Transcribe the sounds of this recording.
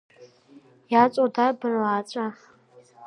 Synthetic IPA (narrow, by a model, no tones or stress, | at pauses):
jaːt͡sʷʼodabɨraːt͡ʃʷʼa